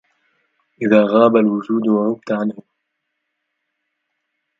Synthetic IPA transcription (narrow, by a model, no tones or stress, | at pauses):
ʔɪðaːɣaːbalwʊʒuːd̪waɣʊb̚t̪aʕanhʊ